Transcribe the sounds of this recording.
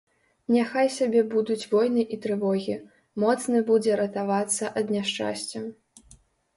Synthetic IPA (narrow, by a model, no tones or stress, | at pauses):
nʲaxajsʲabʲɛbud̪ut͡sʲvɔjnɨʔit̪ɾɨvɔɣʲi | mɔt̪snɐbud͡zʲɛɾɐt̪avat̪sːɐʔɐd̪nʲaʂt͡ʂa̰sʲt͡sʲɛ